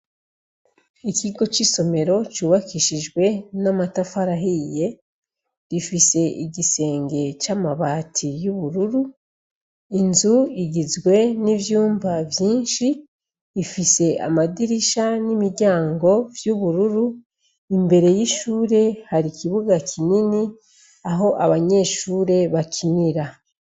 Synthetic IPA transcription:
ikiɡo̞t͡ʃiso̞me̞ɾo̞t͡ʃuːβakiʃid͡ʒɡwe̞namatafaɾaɦije̞ | ɾifise̞ʔiɟise̞ːŋɡe̞t͡ʃamaβaːtʰijuβuɾuɾu | inzuiɡizɡwe̞nivjuːmbavjiːnʃiː | fise̞a̰madiɾiʃanimiɾɟaːŋɡo̞vjuβuɾuɾu | imbe̞ɾe̞jiʃuːɾe̞haɾikiβuɡakʰinini | aɦo̞ʔaβaɲe̞ʃuːɾe̞βacʰiniɾa

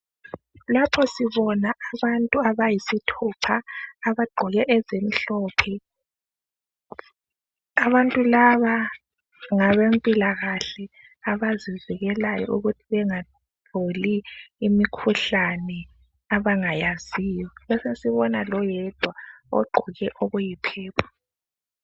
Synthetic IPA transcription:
lapʰɔsiβɔnaaβantʼuaβajisitʰupʰaːβaɡ͡ǃʱɔɣɛʔɛzem̩ɬɔːpʰɛ | aβantʼulaβa | ŋaβempʼilaɣaɬɛ | aβaziviɣɛlajɔ̰ʔuɣutʰiβɛŋḁ | oliːmikʰuɬanɛ | aβaŋajazijɔβɛsesiβɔnalɔjɛd̥ʱwaɔ̰ɡ͡ǃʱɔɣɛʔɔɣujipʰɛːpʰɔ̥

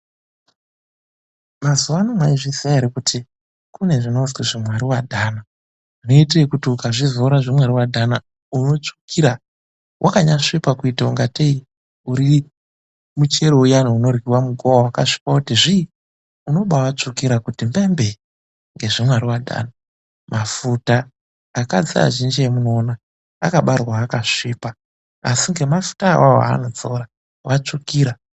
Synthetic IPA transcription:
mazuʋanomwaiʐisiaeɾekutʰi | kune̞ʐino̞skiʐimwaɾiwadʱaːna | uno̞iteikutiukaʐizouɾaʐimwaɾiwadʱana | uno̞t͡ʂu̥kʰiɾa | wʔakaɲaʂipakuitauŋɡatei | uɾi | mut͡ʃe̞ɾoujanouno̞rɣiwamuɡowawakaʂi̥pakutiʐi | uno̞ɓawat͡ʂukiɾakutimbembe̞ | ŋɡe̞ʐimwaɾiwadʱa̰na | mʔafutaː | kad͡zia̰ʒind͡ʒeemuno̞ːna | akaɓarwaːkaʂiːpa | asiŋɡe̞mafu̥taːwaoa̰no̞d͡zo̰ɾa | wat͡ʂukiːɾa

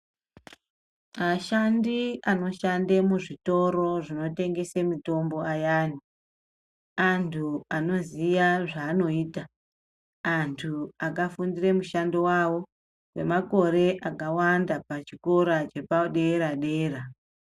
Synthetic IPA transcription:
maʃandiano̞ʃandemuʐito̞ɾo̞ʐino̞te̞ŋɡe̞semito̞mbo̞ajaːni | antʰuano̞zijaʐaːno̞iːtaː | ntʰuakafundiremuʃandowawo̞ | we̞mako̞ɾe̞ʔakawandapat͡ʃiko̞ɾat͡ʃe̞pauɗeɾaɗe̞ːra

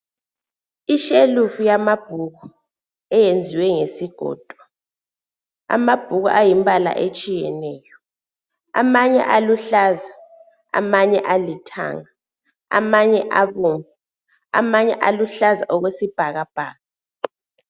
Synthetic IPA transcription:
iʃelufujamab̥ʱuɣu | ɛjend͡zʱiwɛŋesiɡ̥ʱɔ̰ːd̥ʱwa | a̰mab̥ʱuɣuʔajimbʱala̰ʔet͡ʃʼijɛnɛːjɔ | a̰maɲɛ̰ʔaluɬaza | a̰maɲɛʔalitʰa̰ːŋa | a̰maɲɛʔaβoːmvu | a̰maɲɛʔaluɬazaʔɔɣwesib̥ʱaɣab̥ʱa̰ːɣa

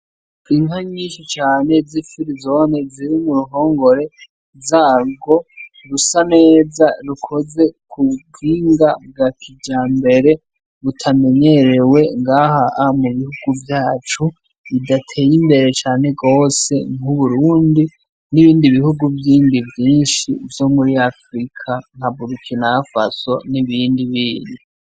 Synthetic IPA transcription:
iŋɦaɲiːʃit͡ʃaːne̞zifiɾizo̞neziɾimuɾuɦo̞ːŋɡo̞ɾe̞ | zaːɡo̞ | ɾusane̞ːzaɾukʰo̞ze̞kʰuɡiːŋɡabɡakʰiɟaːmbe̞ɾe̞ | βutʰame̞ɲe̞ɾe̞we̞ŋɡahaʔamuβihuɡuvjaːt͡ʃu | idatʰe̞ːjimbe̞ɾe̞t͡ʃaːne̞ɡo̞ːse̞ŋ̥uβuɾuːndi | niβiːndiβihuɡuvjiːndivjiːnʃivjo̞muɾiafɾikʰan̥haβuɾukʰinafaso̞niβiːndiβiːndi

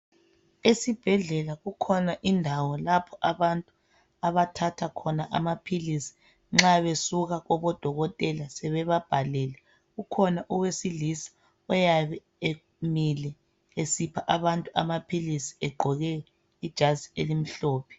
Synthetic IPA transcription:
esib̥ʱɛɮɛlaɣukʰɔnaʔindʱawɔlapʰɔʔaβantʼu | aβatʰatʰakʰɔnaʔa̰mapʰilisi̥ | ŋ͡ǁaβesuɣaɣɔβɔd̥ʱɔɣɔtʼɛlasɛβɛβab̥ʱalɛːlɛ | ɣukʰɔnaʔɔwesilisḁ | ɔjaβɛ | e | milɛ | esipʰaʔaβantʼuamapʰilisi̥ɛɡ͡ǃʱɔɣɛ | id̥ʒ̥ʱazielim̩ɬɔːpʰɛ̥

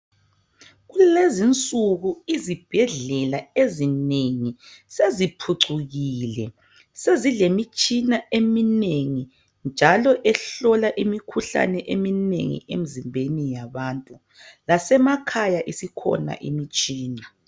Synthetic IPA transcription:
ɣulezint͡sʼuɣuizib̥ʱɛɮɛlaezineŋisezipʰuǀʰuɣilɛ | sezilemit͡ʃʼinaemineŋi | nd͡ʒʱalɔʔɛɬɔlaʔimikʰuɬa̰nɛʔeminḛŋḭḛm̩zimbʱenijaβaːntʼu | lasɛmakʰajaʔisikʰɔ̰na̰ʔḭmit͡ʃʼiːna

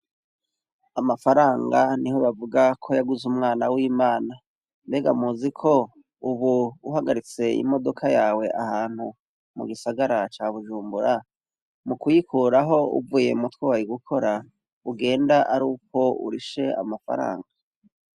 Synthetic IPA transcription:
amafaɾaːŋɡaniɦo̞βavuɡakʰo̞jaɡuzumŋaːnawiːmaːna | nbe̞ɡa̰muːzikʰo̞ | uβuːɦaɡaɾit͡se̞ḭmo̞do̞kʰajaːwe̞ʔahaːn̥hu | mṵɡisaɡaɾat͡ʃaβuʒuːmbuɾa | mukujikuːɾaɦo̞ṵvuːje̞̰mutwawajiɡukʰo̞ɾa | uɡe̞ːndaʔaɾuːk̚o̞ṵɾiʃe̞a̰mafa̰ɾa̰ːŋɡa

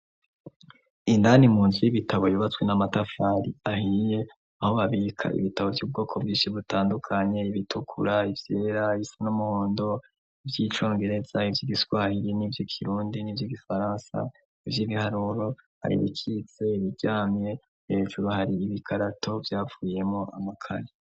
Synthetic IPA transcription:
indanimuːnzujiβitaβo̞juβat͡swe̞namatafaːɾiahije̞ | aho̞βaβikʰa̰ʔḭβitaβo̞vjuːb̚ɡo̞ːkʰo̞bɡĩːnʃiβutaːndukʰaɲe̞iβitukʰṵɾaivjeːɾaiβisanomuhoːndo̞ | ivjiːt͡ʃoːŋɡeɾe̞z̥aivjiːɡiswahiɾinivjikʰiɾuːndinivjiːɡifaɾaːnsa̰ | ivjiβihaɾuːɾo̞ha̰ɾḭβḭkʰit͡se̞iβiɟaːmɲe̞ | he̞ːʒ̥uɾuhaɾiːβikʰaɾatʰo̞vjaːvuːje̞mŋo̞ʔamakʰaɾi

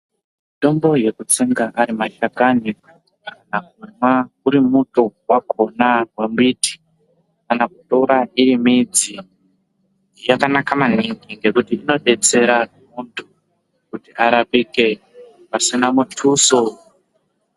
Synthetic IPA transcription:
mito̞mbo̞je̞kut͡siŋɡaʔaɾimaʃakani | kanakemwa | uɾimutowako̞nawe̞mbitʰi̥ | kanakutoɾaiɾimid͡zi | jakanakamaniŋɡiŋɡe̞kutiːno̞ɗe̞t͡se̞ɾa | muntʰu | kutiʔaɾapike̞ | pasinamutʰuːso

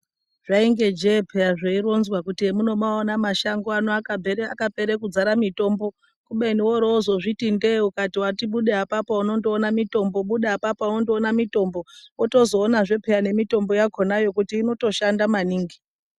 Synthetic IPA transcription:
ʐaiŋɡe̞d͡ʒepʰe̞jaʐeiɾo̞nzwakutiemuno̞maonamaʃaŋɡoanoakabʱerea̰kape̞ɾekud͡zaɾamito̞mbo̞ | kuɓeniwo̞ɾoozo̞ʐitinde̞ukatiwatiɓuɗeapapouno̞ndoːnamito̞mbo̞ɓuɗaapapaunondoːnamito̞mbo̞woto̞zo̞ːnaʐe̞pʰe̞ane̞mito̞mbo̞jakonajo̞kutiːno̞to̞ʃandamaniːŋɡi

